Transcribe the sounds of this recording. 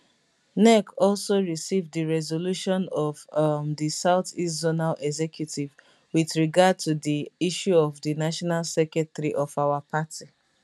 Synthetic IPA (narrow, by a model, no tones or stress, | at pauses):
nɛkɔlsoɹisivddiɹɛzoluʃɔ̃nɔvmdisaʊtistzonalɛɡzɛkʰjutiv | wiθɹiɡad̚tudiiʃuɔvdinaʃɔnalsɛkɛtɾiʔɔfaʊwapʰatʰi